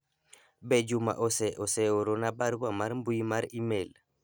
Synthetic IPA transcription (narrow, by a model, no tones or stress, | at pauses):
bɛd͡ʒuma̰ʔosɛʔosɛoɾonabaɾbamaɾmbuimaɾimel